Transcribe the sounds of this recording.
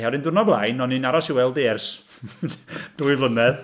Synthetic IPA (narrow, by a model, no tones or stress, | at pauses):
hawɾɪndʊrnɔblˠajnɔnːinaɾɔsiwɛlˠdeːrs | d̥uːɨvlˠənɛð